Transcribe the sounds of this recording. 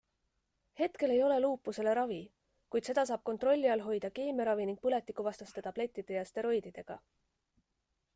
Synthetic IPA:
he̞t̪ke̞le̞jo̞le̞luːpːˑuse̞le̞ɾɑvi | kujd̪se̞d̪̥ɑs̬ɑːb̥̚ko̞nt̪ro̞lʲːiɑlɦo̞jd̪ɑke̞ːmeɾɑviniŋɡ̥̚pɯle̞t̪ːˑikːuvɑst̪ɑst̪et̪ɑb̥le̞t̪ːˑid̪̥e̞jɑst̪e̞ɾo̞jd̪̥id̪̥e̞ɡ̥ɑ̰

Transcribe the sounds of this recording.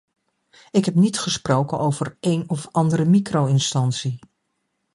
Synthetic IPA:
ɪkɦɛpnitχəsprowkənowv̥əɹejnɔfɑndəɾəmikrowɪnstɑnsi

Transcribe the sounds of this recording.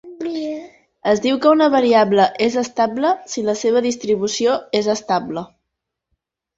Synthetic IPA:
əzd̪iwkəunəβ̞əɾiabləʔezəst̪abləsiləseβ̞əðist̪ɾiβ̞usioezəst̪ablə

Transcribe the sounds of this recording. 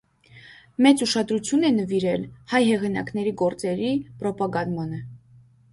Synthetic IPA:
mɛt͡suʃɑd̪ɾut͡sʰjunɛnəviɾɛlhɑjɦɛʁinɑ̰knɛɾiɡɔɾt͡sɛɾipɾɔpɑɡɑnmɔnə

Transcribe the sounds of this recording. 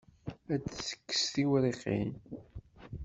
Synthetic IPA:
æt͡sθə̥kːə̥sθiwɾiqːḭn

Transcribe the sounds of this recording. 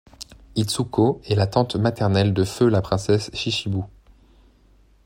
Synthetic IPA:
it̪sukoɛlat̪ɑ̃t̪mat̪ɛʁnɛld̪əfølapχɛ̃sɛsʃiʃibu

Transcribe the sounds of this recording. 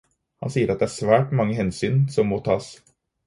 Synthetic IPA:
hɑ̰nsiːəɾɑt̪̚d̪ɛæːɾʂʋæːʈmɑŋːəɦɛnsyːnsɔmːoːt̪ʰɑːs

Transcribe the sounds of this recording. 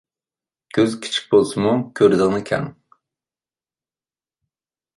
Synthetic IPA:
ɡ̥ʲøzkʲʰi̥t͡ʃʰi̥k̚ʲbolˠsɨmukʲʰøɾd̪ɨʁnɨkʲʰɛ̰ŋ

